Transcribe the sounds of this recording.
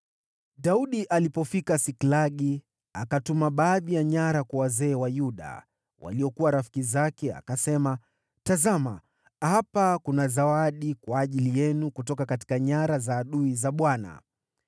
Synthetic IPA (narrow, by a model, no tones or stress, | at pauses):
ɗauɗiʔalipɔfikasiklaɠi | akatumaɓaːðijaɲaɾakwawazɛːwajuɗa̰ | wa̰liɔkuwaɾafi̥kizakɛa̰kasɛma | tazama | hapakunazawaɗikwaːʄilijɛnukutɔkakati̥kaɲaɾazaːɗuizaɓwana̰